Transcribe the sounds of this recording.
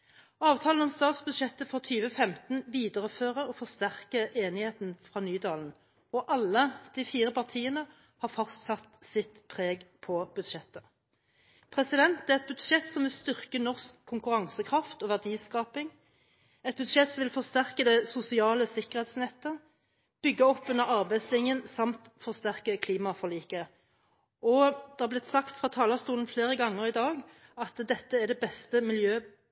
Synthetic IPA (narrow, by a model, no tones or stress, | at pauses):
ɑːʋt̪ʰɑːln̩ɔmst̪ɑːt̪sbʉd̪ʂɛt̪ːəfʁɑːt̪ʰyːʋəfɛmt̪n̩ʋiːd̪əʁəføːʁəɔfɔʁst̪æʁkəʔeːnɪheːt̪n̩fʁɑːnyːd̪ɑːln̩ | ɔʔɑlːəd̪̥ifiːʁəpɑʁt̪ʰiːənə | hɑʁfɑst̪sɑt̪sɪt̪pʰʁeːɡpʰɔb̥ʉd̪ʂɛt̪ːə | pʰʁɛsɪd̪ɛnt̪̚d̪æʁɛt̪̚bʉd̪ʃɛt̪ːsɔmʋɪlst̪ʏʁkənɔʁskʰːʊŋkʉʁɑŋsəkʰʁɑft̪ɔːʋæʁd̪iːskɑːpɪŋ | ɛt̪̚bʉd̪ʃɛt̪sɔmʋɪlfɔʁst̪æʁkəd̪ɛsʊsɪɑːləsɪkəʁhɛɪt̪snɛt̪ːə | b̥ʏɡːəɔpːʉnːəʁɑʁbæɪd̪slɪŋjənsɑmt̪fɔʁst̪æʁkəkʰliːmɑfɔʁliːkə | ɔd̪̥ɛhɑʁblɪt̪sɑkt̪fʁɑt̪ʰɑːləst̪uːln̩fleːʁəɡɑŋːəʁɪd̪ɑːɡ | ɑt̪d̪ɛt̪ːəæʁɖ̪ɛbɛst̪əmɪljøː